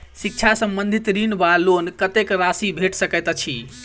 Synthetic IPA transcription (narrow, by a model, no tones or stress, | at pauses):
sik̚t͡ʃʰasəmbənd̪ʱit̪ɾinbalonkət̪ekɾasibʱeʈsəkɛt̪t͡ʃʰi